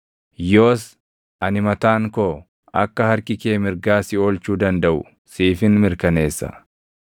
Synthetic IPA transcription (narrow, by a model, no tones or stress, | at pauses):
jo̞ːs | ʔɐnɪmɐt̪aːŋkoː | ʔɐ̰kːɐhɐɾkɪkeːmɪɾɡaːsɪo̞ːlt͡ʃuːd̪ɐnd̪ɐʔʊ̰ | siːfɪnmɪɾkɐne̞ːsːɐ̰